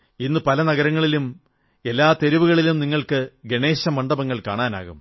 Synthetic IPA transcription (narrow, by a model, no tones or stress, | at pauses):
inːɨpɐlɐnɐɣɐɾɐŋːɐɭilum | e̞lːaːt̪e̞ɾiʋuɣɐɭilumniŋːɐɭkɨɡe̞ɳe̞ːɕɐmɐɳɖɐbɐŋːɐɭkaːɳaːna̰ːɣum